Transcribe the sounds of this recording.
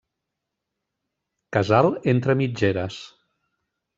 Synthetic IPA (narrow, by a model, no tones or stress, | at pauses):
kəzalˠent̪ɾəmid͡ʒeɾəs